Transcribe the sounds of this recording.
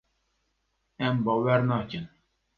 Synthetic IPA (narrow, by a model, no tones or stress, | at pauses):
ɛmbɔwɛɾnakɪn